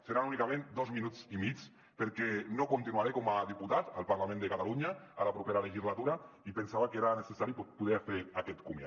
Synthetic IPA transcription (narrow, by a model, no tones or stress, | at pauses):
seɾanunikamẽnd̪ozminut͡simit͡s | peɾkɛnokunt̪inuaɾekomaðiput̪at̪alˠpaɾlamẽnd̪ekat̪aluɲaalapɾupeɾaleʒizlat̪uɾaipensaβakeɾanesesaɾipopuðeafeakɛt̪kumja̰